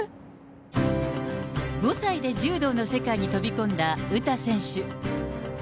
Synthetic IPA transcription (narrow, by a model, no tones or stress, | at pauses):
ɡo̞said̪e̞ʑɨːd̪o̞ːno̞se̞kaiɲ̟it̪o̞bʲikõ̞nd̪aɯ̟t̪asẽ̞ɰ̃ɕɨ